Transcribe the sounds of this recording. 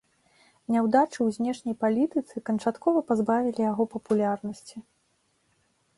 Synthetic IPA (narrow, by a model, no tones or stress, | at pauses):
nʲɛwd̪at͡ʂɨwzʲnʲɛʂnʲɐjpalʲit̪ɨt̪sɨkɐnt͡ʂat̪kɔvɐpazbavʲilʲijaɣɔpɐpulʲarnɐsʲt͡sʲi